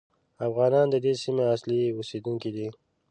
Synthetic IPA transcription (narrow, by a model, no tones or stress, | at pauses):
afɣɑnɑnd̪əd̪esimeasliused̪uŋkid̪i